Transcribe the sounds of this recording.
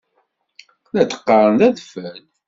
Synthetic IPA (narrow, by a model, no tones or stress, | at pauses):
læt̪ə̥qːɑɾˤənðæðfæl